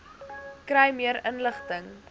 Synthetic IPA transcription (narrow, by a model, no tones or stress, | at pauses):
krɛjmiəɾənləχtəŋ